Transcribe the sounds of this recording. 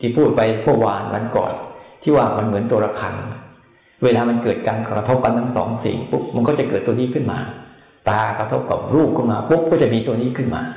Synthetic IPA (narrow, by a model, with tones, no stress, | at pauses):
t̪ʰiː˥˩pʰuː˥˩t̪̚pa˧jmʰu˥˩ɐwaː˧nwa̰˧˥˦nkɔ̰ː˨˩n̚t̪ʰiː˥˩waː˥˩ma˧nmɯ˩˦ənt̪u˧ɐɾa˧kʰa˧n | weː˧laː˧ma˧nkɤː˨˩t̪̚kaː˧nkkɾa˧t̪ʰo˦˥p̚ka˧nt̪ʰa˥ŋsɔː˩˦ŋsḭ˨˩ŋpu˦˥p̚ma˧nkɔ˥˩t͡ɕa˨˩kɤː˨˩t̪ːu˧əniː˥˩kʰɯ˥˩nma̰ː˧ | t̪aː˧kɾa˧t̪ʰo˦˥p̚ka̰˨˩p̚ɾuː˥˩p̚kʰɯ˥˩nmaː˧pu˦˥p̚kɔː˥˩t͡ɕa˨˩miː˧t̪u˧əniː˥˩kʰɯ˥˩nma̰ː˧